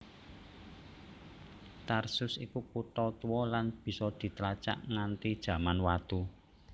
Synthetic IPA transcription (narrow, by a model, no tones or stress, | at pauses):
t̪arsʊsikukut̪ɔt̪uwɔlanb̥i̤sɔd̪̥i̤t̪əlat͡ʃa̰ʔŋant̪id̥ʒ̥ä̤manwat̪u